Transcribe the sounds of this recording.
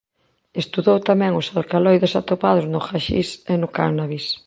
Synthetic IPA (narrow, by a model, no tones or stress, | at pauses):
est̪uðowt̪amɛ̃ŋʊsalkalojðesat̪opað̞ʊznʊxaʃḭsenʊkaɾnaβis